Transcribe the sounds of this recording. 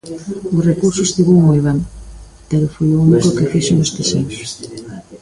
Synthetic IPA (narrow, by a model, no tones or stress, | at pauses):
ʊsrekuɾsʊsθiɣoŋmojβem | peɾʊfojounikokefiʃoŋest̪eʃenʊs